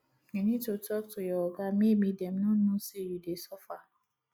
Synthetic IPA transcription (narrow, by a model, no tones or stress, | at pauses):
ŋɛ̃nĩtotɔk̚tojɔɔɡamĩmĩdɛm̩nũnũsejudesɔfa